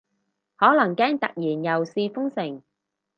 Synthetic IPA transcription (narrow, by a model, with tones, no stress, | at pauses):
hɔː˨˥lɐ˨˩ŋkɛː˥ŋt̪ɐ˨k̚jiː˨˩njɐ˨˩wsiː˧fʊ˥ŋsɪ˨˩ŋ